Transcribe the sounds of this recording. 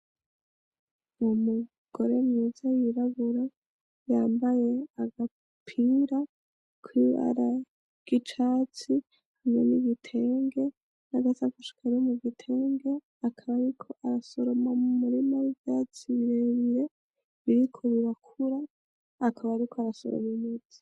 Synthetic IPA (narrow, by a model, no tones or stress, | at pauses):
mumu | ɡ̥o̞ɾe̞mɲizajiɾaβuɾa | jaːmbajeaɡa | pʰiɾa | kwiβa̰ɾa | ɡ̥it͡ʃaːt͡si | hameniβitʰe̞ːŋɡe̞ | naɡat͡sakuʃi̥kʰaɾomuvitʰeːŋɡe̞ | akʰaβaːɾikʰo̞ʔaɾaso̞ɾo̞mamumuɾimowivjat͡siβiɾeːβiɾe̞ | βiɾikʰoβiɾakʰuɾaː | kʰaβaːɾikʰoaɾaso̰ɾo̰mimud͡zi̥